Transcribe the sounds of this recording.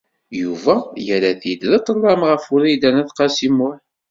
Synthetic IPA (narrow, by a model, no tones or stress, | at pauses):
juvæjəɾæθid̪lət̪ˤːəlˤːɑmʁəfʊɾæjd̪ænæθqɑsimʊħ